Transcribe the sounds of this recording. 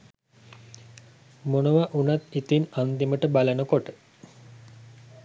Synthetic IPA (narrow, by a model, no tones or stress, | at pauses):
monəʋaʔunat̪it̪inand̪iməʈəbalənəkoʈə